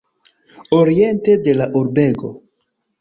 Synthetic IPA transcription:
oɾie̞nte̞de̞laʔuɾbe̞ɡo̞̰

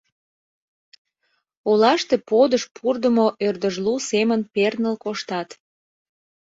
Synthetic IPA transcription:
olɑʃt̪epod̪əʃpʰurd̪əmoʔørd̪əʒlusemənpernəlkoʃt̪ɑt̪

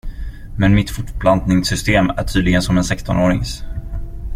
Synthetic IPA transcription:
mɛnmɪt̪fʊʈbland̪nɪŋsʏst̪eːmæ̰ʈʰyːd̪lɪɡənsɔmɛnsɛkst̪ɔnoːɾɪ̰ŋs

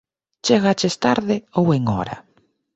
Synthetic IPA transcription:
t͡ʃeɣat͡ʃest̪aɾðɪoweŋɔ̰ɾa̰

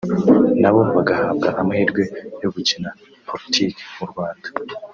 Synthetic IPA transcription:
naβoβaɡahaːbɡaʔamaiɾɡwe̞jo̞ɡucina | pʰo̞ɾitʰiːke̥muɾɡwaːnd̥ḁ

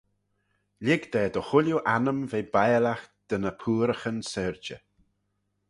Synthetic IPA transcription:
lʲɪɡd̪ɛːd̪əxʊljuʔanəmveːbajlaxd̪̥ənəpʰuːɾəxənsɛɹd͡ʒə

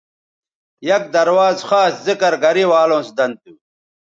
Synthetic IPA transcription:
jɐk̚d̪ɐɾwaːzxaːszikɐɾɡɐɾiwaːlõːsd̪ɐnd̪̚t̪uː

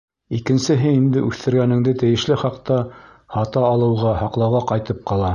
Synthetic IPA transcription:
ikɘ̆nsɘ̆ɦɘind̪ɘʔʉθt̪ɘ̆ɾɡænɘ̆ŋd̪ɘt̪ɘ̆jɘ̆ʃlɘχɑqt̪ɑ | hɑt̪ɑːlˠɤ̆wʁɑhɑqlˠɑwʁɑqɑjt̪ɤp̚qɑlˠɑ

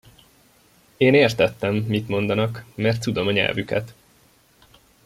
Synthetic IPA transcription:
eːneːrt̪ɛt̪ːɛmːit̪mo̞nd̪ɒnɒkmɛrt̪sud̪o̞mɒɲɛ̰lvykɛ̰t̪

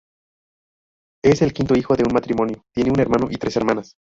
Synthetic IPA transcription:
e̞se̞lkint̪oixo̞ðeunmat̪ɾimõ̞njo̞t̪je̞neune̞ɾmãno̞ʔit̪ɾe̞se̞ɾmãnas

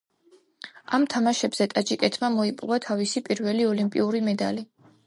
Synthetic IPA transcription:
amt̪ʰamaʃɛbz̥ɛt̪ʼad͡ʒikʼɛt̪ʰmamɔipʼvat̪ʰavisipʼiɾvɛliɔlimpʼḭuɾimɛd̪ali

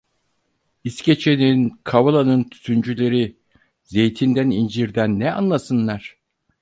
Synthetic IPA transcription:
isce̞t͡ʃʰeninkʰavalˠanɯnt̪ʰy̥t̪ʰynd͡ʒylʲe̞ɾi | ze̞jt̪ʰind̪ænind͡ʒiɾd̪ænːɛa̰nlˠasɯnlˠaɾ̥

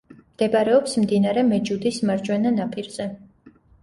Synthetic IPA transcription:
md̪̥ɛbaɾɛɔpsmd̪inaɾɛmɛd͡ʒud̪ismaɾd͡ʒwɛnanapʼiɾz̥ɛ

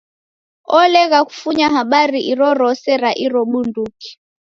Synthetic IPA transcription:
ɔlɛɣaku̥fuɲaɦaɓaɾiʔiɾɔɾɔsɛɾaʔiɾɔɓunduki̥

